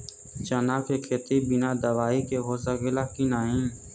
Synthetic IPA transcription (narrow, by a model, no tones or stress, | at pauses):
t͡ʃɐnakekʰet̪ibɪnad̪əʋaːikeɦozaɣɪlakinaːɦĩ